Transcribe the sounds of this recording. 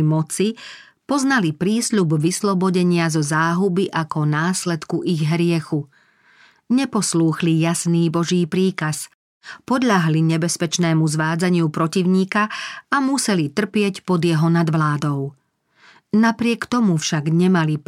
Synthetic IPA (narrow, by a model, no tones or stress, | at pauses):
mɔt͡si | pɔznalipɾiːsʎubʋislɔbɔɟɛɲɪazɔzaːɦubiʔakɔnaːslɛt̪kuʔiɣɦɾɪɛxu | ɲɛpɔsluːxlijasniːbɔʒiːpɾiːkas | pɔd̪ʎaɦliɲɛbɛspɛt͡ʃnɛːmuzʋaːd͡zaɲɪupɾɔciʊɲiːkaːmusɛlit̪r̩pɪɛcpɔd̪jɛɦɔnad̪ʋlaːd̪ɔʊ | napɾɪɛkt̪ɔmufʃaɡɲɛmali